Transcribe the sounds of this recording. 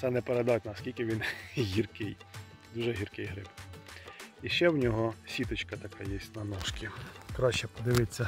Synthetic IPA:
t̪sɛnɛpeɾed̪ɑt̪ʲnɐskʲilʲkɪʋʲinɦʲirkɪj | d̪uʒɛɦʲirkɪjɦɾɪb | iʃt͡ʃɛwnʲɔɦɔsʲit̪ɔt͡ʃkɐt̪ɐkɑjɛsʲtʲnɐnɔʃkʲikɾɑʃt͡ʃɛpɔd̪ɪʋɪt͡sʲːɐ

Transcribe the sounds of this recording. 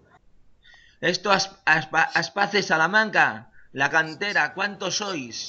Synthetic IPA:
e̞st̪o | aspaθesalamãŋkalakant̪e̞ɾakwant̪o̞so̞js

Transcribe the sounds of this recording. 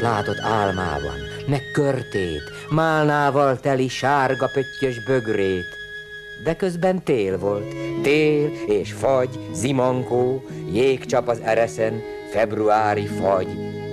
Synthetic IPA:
laːt̪o̞t̪ːaːlma̰ːbɒ̰nːɛkkːørt̪eːt̪ | maːlnaːvɒlt̪ɛliʃaːrɡɒpøcːøʒbø̞ɡreːt̪ | d̪ɛkøzbɛnt̪eːlvo̞lt̪ːeːleːʃfɒɟzimɒŋkoːjeːkt͡ʃɒpɒzɛɾɛsɛn | fɛbruaːɾifɒɟ

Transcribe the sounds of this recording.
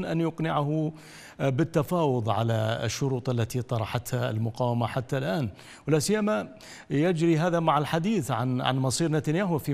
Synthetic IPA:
nʔanjʊqnɪʕahʊ | bɪt̪ːafɑːwʊðˤʕa̰laʃːʊɾuːt̪ˤʔalːat̪it̪ˤɑɾˤɑħat̪haɪ̰lmʊqaːwamaħat̪ːalʔaːn | wlaːsɪjːama | jɪd͡ʒɾiɦaːðamaʕalħad̪iːθʕanʕa̰nmɑsˤiːɾnat̪anjaːɦʊfi

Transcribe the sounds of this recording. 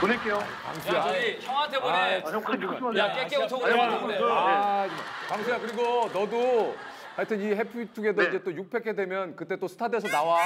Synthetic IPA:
konik͈ejo | a̰ŋɕiaçʰʌŋantʰebonekʰjak͈ek͈eot͡ɕʰoɡaeoead͡ʑmakaŋsʰeakɯɾiɡonʌdu | haɭtʰɯniɦe̞pʰitʰuɡe̞doind͡ʑe̞t͈ojuk̚pʰe̞kʰedwe̞mjʌnkɯt͈e̞t͈osʰɯ̥tʰade̞sʰʌnawa

